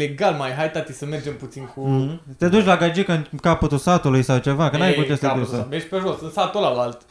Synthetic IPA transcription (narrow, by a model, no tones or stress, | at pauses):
leɡalmajɦajt̪at̪isəmerd͡ʒe̞mput̪sinkut̪e̞d̪ut͡ʃʲlaɡad͡ʒikəɨnkapət̪usat̪ulujsawt͡ʃe̞vakənajkut͡ʃest̪ed̪usveʃʲpeʒosɨnt̪sat̪olalalt̪